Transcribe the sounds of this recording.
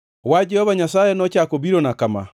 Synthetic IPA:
wad͡ʒɛhɔβaɲasaːenɔt͡ʃakoβiɾɔnakama̰

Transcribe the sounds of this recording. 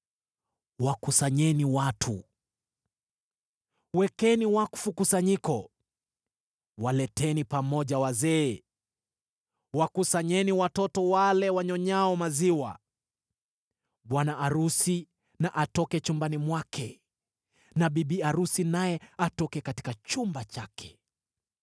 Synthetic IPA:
wakusaɲɛniwatʰṵ | wɛkɛniwaku̥fukusaɲikɔ | walɛtɛnipamɔʄawazɛː | wakusaɲɛniwatɔtɔwalɛwaɲɔɲaɔmaziwa̰ | ɓwanaʔaɾusi | naʔatɔkɛt͡ʃumbanimwakʰɛ | naɓiɓiaɾusinajɛatɔkɛkati̥kat͡ʃumbat͡ʃakʰɛ̥

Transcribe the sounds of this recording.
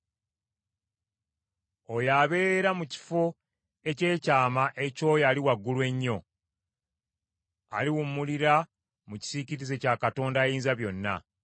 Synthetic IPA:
ojaːβe̞ːɾamuci̥fo̞ | e̞ce̞ːcaːmaʔe̞co̞ːjaːliwaɡːulwe̞ɲːo̞ | a̰liwumːuliɾa | muci̥siciɾize̞caːkato̞ːndaːjiːnzaβjo̞nːa̰

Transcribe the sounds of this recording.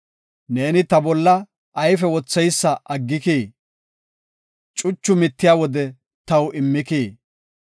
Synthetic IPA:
ne̞ːnɪt̪ɐbɔlːɐː | jfɛwɔt͡sːɛjsːɐʔɐɡːɪkeː | t͡ʃʼʊt͡ʃːʊmɪt̪ːɪjaːwɔd̪ɛ | t̪ɐwɪmːɪkeː

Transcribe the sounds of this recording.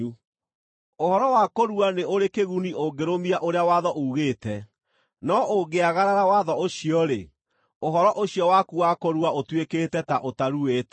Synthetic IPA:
u | ohɔɾɔwakoɾuaneoɾekeɣuniʔoɡeɾomiaʔoɾeawaðɔʔuːɣeːtɛ | nɔʔoɡeaɣaɾaɾawaðɔoɕiɔɾe | oɦɔɾɔʔoɕiɔwakuwakoɾuaotweketɛtaʔotaɾueːtɛ

